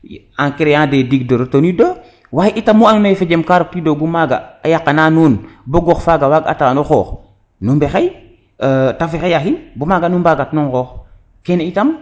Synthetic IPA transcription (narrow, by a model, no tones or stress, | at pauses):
aŋkiɾejãːdɛdiɡdoɾotonidoː | waːjʔitamːuannajfed͡ʒɛmkaɾok̚tidoɡumaɡa̰ajakːanaːnuːnboɡɔxfaɡawaɡa̰taːnuxɔ̰ːx | numbɛxaj | tafixejaxinbumaɡanumbaɡatnuŋxɔːx | kɛneitam